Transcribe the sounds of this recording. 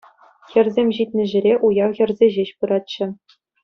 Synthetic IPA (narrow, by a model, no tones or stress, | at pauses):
xʲɘ̆rʲzʲemʲʑit̪ʲnʲɘ̆ʑɘ̆ɾʲeʔujɑwxʲɘ̆rzʲeʑeɕpɯɾɑt̪ɕɘ̆